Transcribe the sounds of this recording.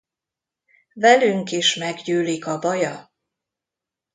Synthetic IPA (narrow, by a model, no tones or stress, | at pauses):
vɛlyŋkiʃmɛɡɟyːlikɒbɒjɒ